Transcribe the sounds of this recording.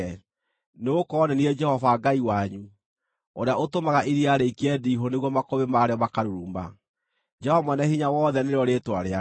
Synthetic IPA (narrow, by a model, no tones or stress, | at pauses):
neɣokɔːnɛnied͡ʒɛhɔvaɡaiwaɲu | oɾeaʔotomaɣaʔiɾiaɾeikeɛdiːɦoneɣwɔmakoβemaɾeɔmakaɾuɾuːmba̰ | d͡ʒɛhɔmwɛnɛhiɲawɔːðɛneɾeɔɾeːtwaɾea